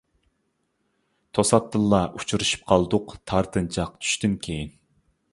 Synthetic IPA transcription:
t̪ʰosɑt̪ːɨlˠːɑʔut͡ʃʰuɾuʃy̥p̚qʰɑlˠd̪ʊqt̪ʰɑɾt̪ʰɨnt͡ʃʰɑqt͡ʃ̪ʰy̥ʃt̪ɪnkʲʰejin

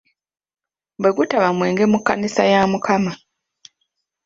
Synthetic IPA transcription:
bwe̞ɡutaβamwe̞ːŋɡe̞mukːanisajaːmukʰama

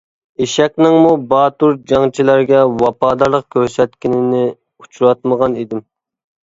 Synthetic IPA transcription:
eʃɛkʲnɪŋmubɑːt̪uɾd͡ʒɑŋt͡ʃʰilæɾɡʲɛwɑpɑːd̪ɑɾlˠəq̚kʲʰøɾsɛt̪̚kʲinɪnɪ | ut͡ʃʰuɾɑt̪̚məʁɑnid̪ɪm

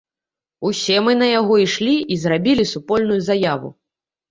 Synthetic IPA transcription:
usʲɛmɨnɐjaɣɔiʂlʲiizrabʲilʲisupɔlʲnujuzajavṵ

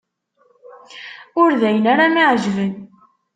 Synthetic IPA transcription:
ʊɾðæjənaɾamiʕʒvən

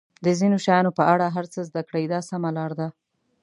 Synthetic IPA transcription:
d̪əzinoʃajɑnopəʔaɽaɦaɾt͡səzd̪akɽajd̪ɑsamalɑɾd̪a

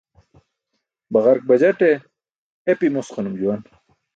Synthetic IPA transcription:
bɐʁɐɾk̚bɐd͡ʑɐʈe | epimosqanumd͡ʑuwan

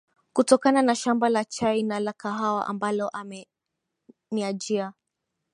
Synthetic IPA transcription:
kutɔkananaʃambalat͡ʃajnalakaɦawa̰ʔa̰mbalɔʔamɛ | niad͡ʒia

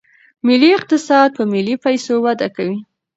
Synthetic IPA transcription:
mɪlːiɪq̚t̪ɪsɑd̪̚pəmɪlːipajsowad̪akawi

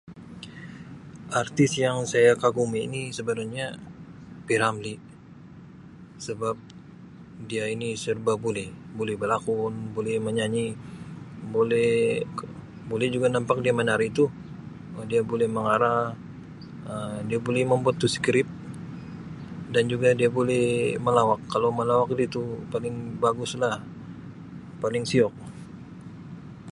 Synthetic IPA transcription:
art̪ɪsjaŋsajakaɡumḭːnisəbəɾaɲa | piɾamli | səbap̚ | diainisərbabolɛhbolɛhbəlakʊnbolɛhməɲaɲi | bolɛh | bolɛhd͡ʒuɡanampak̚diamənaɾit̪u | diabolɛhməŋaɾa | ədiabolɛhməmbuat̪ːuskɾɪp̚ | dand͡ʒuɡadiabolɛhməlawakːalowməlawak̚dit̪upalɪŋbaɡʊslah | palɪŋsiɔk̚

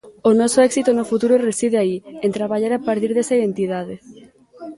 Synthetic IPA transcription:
onɔsoɛksit̪onofut̪uɾoresið̞eaient̪ɾaβaʎaɾapaɾt̪̬iɾðesaiðent̪ið̞að̞e

